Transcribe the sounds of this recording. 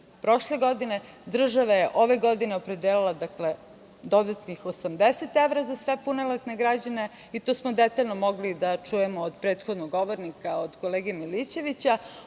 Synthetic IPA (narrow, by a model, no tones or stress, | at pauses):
pɾo̞ʃle̞ɡo̞d̪ine̞ | d̪r̩ʒaʋajeʔo̞ʋe̞ɡo̞d̪ineopɾed̪eːlilˠad̪akle̞ | d̪o̞d̪at̪nixosamd̪ese̞t̪eʋɾazasʋe̞punelˠat̪ne̞ɡɾad͡ʑane̞ | it̪oːsmod̪et̪aʎnomo̞ɡlid̪at͡ʃujemoːd̪pɾeːt̪xod̪noɡːo̞ʋoɾnikaod̪ko̞leːɡemilit͡ɕe̞ʋit͡ɕa